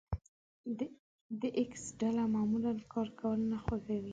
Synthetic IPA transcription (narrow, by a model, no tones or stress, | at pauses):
d̪əʔɪksɖalamɑmulankʰɑɾkawəlnaxwoɡawi